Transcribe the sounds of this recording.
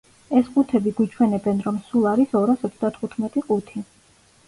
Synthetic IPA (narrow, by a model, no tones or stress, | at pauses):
ɛsqʼut̪ʰɛbiɡwit͡ʃʰwɛnɛbɛnɾɔmsulˠaɾisɔɾasɔt̪ʰsʰd̪at̪ʰχut̪ʰmɛt̪ʼiqʼut̪ʰi